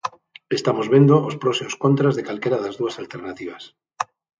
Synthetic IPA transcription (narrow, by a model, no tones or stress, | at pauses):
est̪amozβend̪oospɾosimoskont̪ɾazðekalkeɾaðazðuasalt̪eɾnat̪iβ̞as